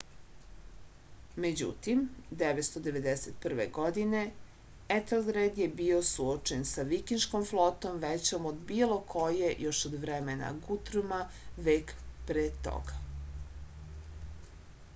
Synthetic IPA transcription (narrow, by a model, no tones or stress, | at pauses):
me̞d͡ʑṵt̪imd̪eʋet̪st̪o̞d̪e̞ʋe̞d̪eset̪̚pr̩ʋḛɡo̞d̪ine̞ | et̪elɡɾed̪jebio̞suot͡ʃensaʋikinʃkomflˠot̪o̞mʋet͡ɕomod̪biːlˠo̞kʰo̞jejo̞ʃod̪ʋɾemena̰ɡut̪ɾuma | ʋeːkpɾeːt̪o̰ɡa